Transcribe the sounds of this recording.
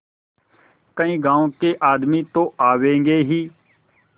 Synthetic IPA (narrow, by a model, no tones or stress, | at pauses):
kəĩːɡãːõːkeːʔaːd̪miːt̪õːʔaːʋẽːŋɡeːɦiː